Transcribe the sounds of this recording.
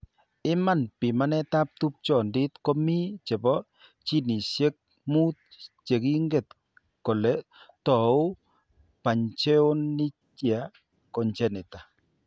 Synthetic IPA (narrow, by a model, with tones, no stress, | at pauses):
ɪ˦ma˨npɪ˨ma˦nɛ˦ta˦p̚t̪u˦p̚t͡ʃɔ˨ndɪ˦t̪kɔ˦mi˦t͡ʃɛ˨bɔ˦ | t͡ʃi˦ni˨sje˦k̚ | mu˦t̪̚t͡ʃe˨ki˦ŋɡe˨t̪ | kɔ˨lɛ˦ | tɔ˨ʊ˦ | pa˨ɲt͡ʃɛ˦o˦nːɪ˦ | t͡ʃia˨ | kɔ˨ɲt͡ʃɛ˦nɪ˨ta˨